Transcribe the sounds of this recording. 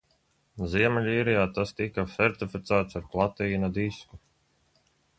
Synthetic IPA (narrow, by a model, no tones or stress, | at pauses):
ziɛmɛʎʲiːɾɛjaːt̪ast̪ikasɛɾt̪ifit̪saːt̪saɾplˠat̪iːnad̪isku